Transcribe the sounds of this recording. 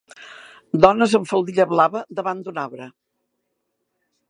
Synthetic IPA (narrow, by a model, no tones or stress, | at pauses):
d̪ɔnəzəɱfəlˠd̪iʎəβlaβəd̪əβand̪unaβɾə